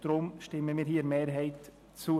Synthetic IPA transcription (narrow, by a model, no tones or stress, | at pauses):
d̥ɾʊmʃtɪməmiːɾɦiːɾmeːɾɦɛɪt | t͡su